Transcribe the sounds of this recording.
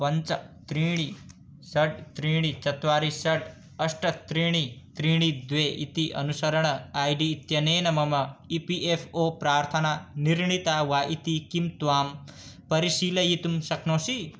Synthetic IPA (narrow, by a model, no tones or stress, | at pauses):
pɐnt͡sɐt̪ɾiːɽ̃i | sɐʈ̚t̪ɾiːɽ̃it͡sɐt̪ʋaːɾisɐʈ | ɐsʈɐt̪ɾiːɽ̃it̪ɾiːɽ̃id̪ʋeːʔḭt̪iʔɐ̰nusɐɾɐɳ̃ɐaːjɖiːt̪jɐneːnɐmɐmɐipiʔefʰoːpɾaːɾt̪ʰɐnaniɾɳit̪aːʋaʔit̪ikimt̪ʋaːmpɐɾisiːlɐjit̪umsɐknõːsi